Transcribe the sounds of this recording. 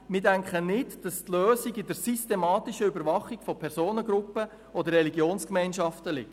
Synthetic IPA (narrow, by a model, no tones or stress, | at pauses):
mɪdæŋkχənɪdd̥ɑstløːsiɡɪdəɾsystemɑːtɪʃəybəɾʋɑχːikfɔpʰɛɾsoːnəɡɾʊpːə | ɔd̪əɾrɛliɡjoːnskmɛɪnʃɑftəlɪ̰k̚t